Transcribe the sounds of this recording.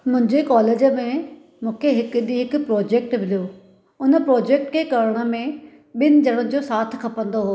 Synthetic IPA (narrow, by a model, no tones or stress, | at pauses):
mʊ̃ɦɪ̃ɲd͡ʑekɔːleːd͡ʑəmẽ | mũːkʰeɦɪkəɗiɦɪkʊ̆pɾɔːd͡ʑeːkʈbɪlijoː | ʊnəpɾoːd͡ʑeːk̚ʈkʰekɐɾɽ̃ə̆mẽ | ɓɪnɪ̆d͡ʑɐɽ̃ə̃d͡ʑoːsaːt̪ʰkʰɐpə̃nd̪oɦoː